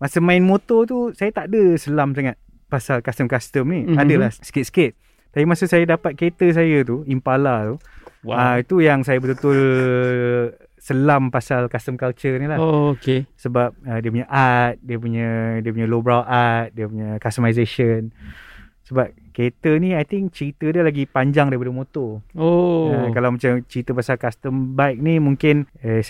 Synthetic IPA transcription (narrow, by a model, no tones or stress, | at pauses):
masəmaɪnmot̪ɔt̪usajat̪aʔdəsəlams̬aŋat̪̚ | pasalkast̪əmkast̪əmniadəlasə̥ket̪̚sket̪̚ | t̪ːapimasusajadapat̪̚ket̪əs̬ajat̪̬uimpalat̪uwaəit̪ujaŋsajabət̪ut̪ur | səlampasalkast̪əmkalt͡ʃərnilahokesəbap̚ədiəpuɲaʔat̪̚diəp̬uɲadiəp̬uɲəlobɾawat̪̚diəpuɲakast̪əmajzeʃən | səbap̚ket̪əniajt̪ɪŋkt͡ʃəɾit̪ədiəlaɡipaɲd͡ʒaŋdaɾipadamot̪ɔoakalawmãt͡ʃamt͡ʃəɾit̪əpasalkast̪əmbajk̚nimuŋkɪnəs